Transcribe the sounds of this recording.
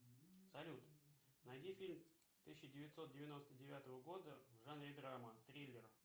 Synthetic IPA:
sɐlʲut̪nɐjdʲifʲilʲm | t̪ɨsʲɪɕɪdʲɪvʲɪt̪ʲso̞t̪̚dʲɪvʲɪno̞st̪ədʲɪvʲat̪əvəɡo̞d̪əvʐanɾʲɪd̪ɾamət̪ɾʲijlʲːɪr

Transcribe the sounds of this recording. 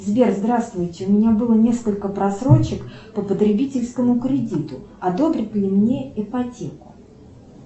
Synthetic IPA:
zbʲerzd̪ɾast̪vʊjtʲɪʊmʲɪnʲabɨlˠənʲe̞skəlʲkəpɾɐsɾo̞t͡ɕːɪkpəpət̪ɾʲɪbʲitʲɪlʲskəmʊkɾʲɪdʲit̪ʊ | ɐd̪o̞bɾʲɪt̪lʲɪmnʲe̞ɪpɐtʲekʊ̥

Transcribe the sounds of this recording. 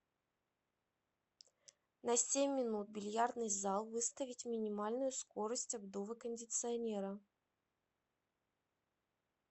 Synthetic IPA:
nɐsʲemʲːɪnut̪̚bʲɪlʲjard̪nɨjzalˠvɨst̪əvʲɪtʲmʲɪnʲɪmalʲnʊjʊsko̞ɾəsʲtʲɐbd̪ovəkənʲdʲɪt̪sɨɐnʲeɾə

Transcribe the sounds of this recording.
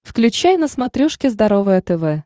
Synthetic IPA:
fklʲʉt͡ɕæjnəsmɐt̪ɾʲuʂkʲɪzd̪ɐɾovəjət̪ɛvɛ

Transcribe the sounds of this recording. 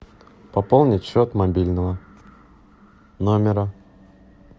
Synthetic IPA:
pɐpolˠnʲɪtʲɕːot̪mɐbʲilʲnəvə | nomʲɪɾə

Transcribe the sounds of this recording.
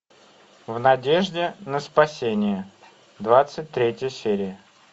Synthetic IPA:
vnɐdʲeʐdʲɪnəspɐsʲenʲɪjə | d̪vat̪sɨt̚ʲt̪ɾʲetʲjəjəsʲeɾʲɪjə

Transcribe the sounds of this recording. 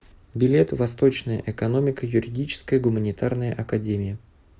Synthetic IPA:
bʲɪlʲet̪vɐst̪o̞t͡ɕnəjə̰ʔɛkɐno̞mʲɪkəjʊɾʲɪdʲit͡ɕɪ̥skəjəɡʊmənʲɪt̪arnəjəʔɐkɐdʲemʲɪjə

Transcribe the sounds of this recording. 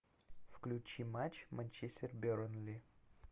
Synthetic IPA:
fklʲut͡ɕimat͡ɕmanʲt͡ɕesʲt̪ʲerbʲeɾənlʲi

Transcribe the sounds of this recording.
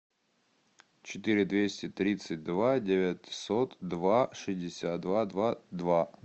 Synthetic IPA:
t͡ɕɪt̪ɨɾʲɪd̪vʲesʲtʲɪt̪ɾʲit̪sɨt̚ʲd̪vadʲɪvʲatʲsot̪d̪vaʂɨzʲdʲɪsʲat̪̚d̪vad̪vad̪va

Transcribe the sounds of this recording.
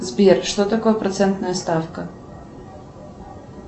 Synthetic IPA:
zbʲiɾʃt̪ɔt̪ɐkɔɐpɾɔt̪sɛnt̪nɐjɐst̪afkɐ

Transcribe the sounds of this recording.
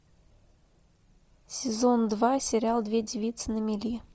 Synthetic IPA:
sʲɪzond̪vɑsʲeɾʲalˠd̪vʲedʲivʲit̪sənəmʲelʲi

